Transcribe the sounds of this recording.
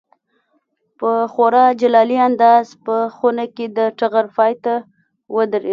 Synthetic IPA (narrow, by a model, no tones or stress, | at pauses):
pəxoɾɑd͡ʒalɑliand̪ɑzpəxunaked̪əʈaɣaɾfɑjt̪a | wəd̪əɾḛ